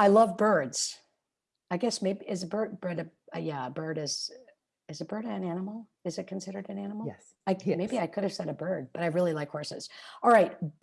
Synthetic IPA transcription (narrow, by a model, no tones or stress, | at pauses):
aɪlʌvbɜ˞dz̥ | aɪɡɛsmeɪbiɨzɨbɜ˞d̚bɜ˞ɾɨʌjæəbɜ˞ɾɨz̥ | ɨzɨb̥ɜ˞ɾɨɨ̃nænəml̩ˠɨzɨt̚kʰn̩sɪɾə˞ɾɨ̃nænəm̩l̩ɛ̰s | aɪkʰmeɪbiaɪkʰʊɾɨv̥sɛɾɨbɜ˞d̚b̥ʌɾaɪɹɪlˠilaɪkʰwɔɹsɨ̰z̥ɑlˠɹaɪt̚